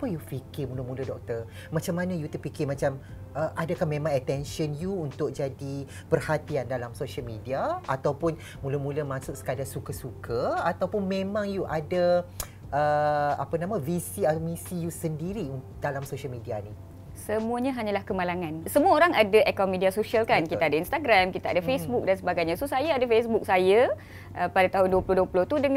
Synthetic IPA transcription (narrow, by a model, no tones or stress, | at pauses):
apəjufikɪrmuləmũlədɔk̚t̪ər | mãt͡ʃamːanãjut̪əpikɪmãt͡ʃam | ʔəʔadakahmẽmãŋət̪ɛnʃənjuːnt̪ʊk̚d͡ʒadi | pərhat̪iandalamsoʃalmidiaat̪awpʊn | mũləmũləmãsʊksə̥kadasukəsukʰəat̪awpʊnmẽmãŋjuʔada | ʔəa̰pənãmãvisiamisijusəndiɾi | d̥alamsoʃəlmidiani | səmũaɲãɦaɲalahkəmalaŋansəmuaoɾaŋadaʔɛkɔmidiasoʃialkankit̪aadainst̪aɡɾamkit̪aadafesbuk̚dansəbaɡajɲasusajaadafesbuk̚saja | ʔəpadat̪aɦʊnduəplʊhduəplʊht̪udəŋ